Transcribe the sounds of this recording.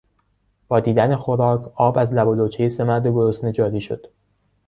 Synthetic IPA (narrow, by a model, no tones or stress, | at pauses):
b̥ɒːd̪iːd̪ænexoɾɒːkʰɒːbæzlæboloːt͡ʃʰejese̞mæɾd̪e̞ɡoɾosned͡ʒɒːɾiːʃo̞̰d̪̥